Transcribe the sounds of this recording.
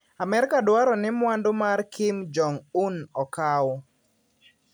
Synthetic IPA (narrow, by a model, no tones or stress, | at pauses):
amɛɾkadwaɾɔnɪmwandomarkʰɪmd͡ʒɔŋunɔkaw